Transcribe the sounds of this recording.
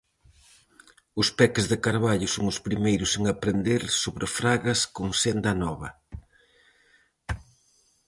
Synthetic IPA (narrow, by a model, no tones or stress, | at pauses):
ʊspɛkɪzðɪkaɾβaʎʊsoŋʊspɾimejɾʊseŋapɾend̪eɾsoβɾɪfɾaɣɐskoŋsend̪ɐnɔβɐ